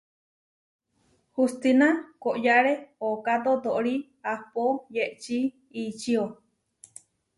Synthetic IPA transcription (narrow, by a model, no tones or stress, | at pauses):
hust̪inakoʔjaɾeokat̪ot̪oʔɾi | ahpojeʔt͡ʃiː | t͡ʃio